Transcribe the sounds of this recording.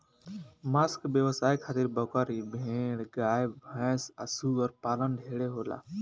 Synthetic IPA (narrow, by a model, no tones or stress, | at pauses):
maːskbjəʋəsaːikʰaːt̪ɪɾbəkaːɾiːbʱẽːɽɡaːjbʱə̃ːsəsuːəɾpaːlənɖʱeːɽeɦoːla̰ː